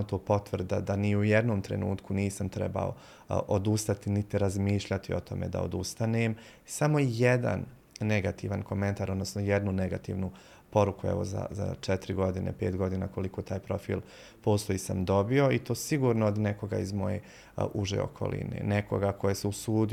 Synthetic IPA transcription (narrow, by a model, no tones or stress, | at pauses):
t̪oːpo̞t̪ʋr̩d̪ad̪aniujed̪no̞ːmt̪ɾe̞̰nṵːt̪kuniːsamt̪ɾe̞̰ba̰o̰ | ʔod̪ust̪at̪init̪iɾazmiːʃʎat̪io̞t̪o̞̰me̞̰d̪a̰od̪ust̪aneːm | samo̞ijed̪a̰nː | eɡat̪iːʋanko̞me̞nt̪aːɾo̞d̪no̞snojed̪nuneɡat̪ḭːʋnu | po̞ɾukuɛ̰ʋo̰za̰za̰t͡ʃɛt̪iɾiɡo̞d̪inḛpe̞ːt̪ɡo̞d̪inako̞liko̞ːt̪aːjpɾo̞fḭːlˠ | po̞ːst̪ojiːsamd̪o̞bio̞it̪o̞ːsiɡuːɾnood̪neko̞ɡa̰izmo̞je̞̰ | ʔuʒḛo̰kʰo̞̰lḭnḛːneko̞̰ɡakʰo̞jeseusuːd̪